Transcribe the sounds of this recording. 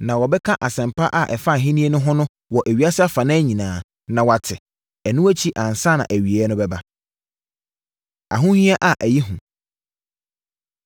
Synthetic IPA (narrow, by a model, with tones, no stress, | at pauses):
nã˨wɔ˨bɛ˦kʰã˦ʔa˨sɛ̃˨mpʰa˦ʔa˨ʔɛ˨fa˦˨ɦĩ˦nĩ˦e˦nʊ̃˦ɦʊ̃˦nʊ̃˦ | wɔ˨ʔæ˨ɥi˨˦a˦sa˦fa˨nã˦ɲĩ˨nãː˨ | nã˨wa˨tʰɪ˨ | ɛ˨nʊ̃˦æ˦t͡ɕʰi˦ʔã˨n˨sa˦nã̰˨ʔæ˨ɥi˨e˨ɛ˦nʊ̃˦bɛ˦ba˦ | a̰˨ɦʊ̃˦hĩ˦a˦ʔa˨ʔæ˨ji˦ɦũ˨